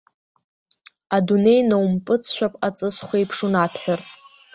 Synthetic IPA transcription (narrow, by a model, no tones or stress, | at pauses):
adune̞jnawmpʼɨt͡sʰʃʷᶣapʼat͡sʼɨsχʷejpʰʂunatʰħʷᶣar